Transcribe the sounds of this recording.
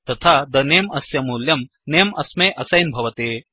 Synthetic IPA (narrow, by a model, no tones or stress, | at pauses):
t̪ɐt̪ʰad̪ɐneːmɐsjɐmuːljɐm | neːmɐsmeʔɐsɐjnbʱɐʋɐt̪eː